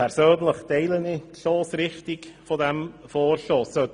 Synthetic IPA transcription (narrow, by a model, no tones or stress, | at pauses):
ɛrsøːnləχd̥ejlˠəniɬoːsrɪχtɪɡ̥fɔdɛmfɔrɬoːsøː